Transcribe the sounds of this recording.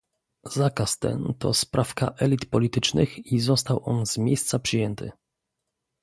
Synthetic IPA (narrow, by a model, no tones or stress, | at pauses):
zakast̪ɛ̰nt̪ɔ̰spɾʔafkaʔɛlʲit̪pɔlʲit̪ɘt͡ʂnɘxizɔst̪awʔɔnzmʲjejst̪sapʂɘjɛnt̪ɘ̰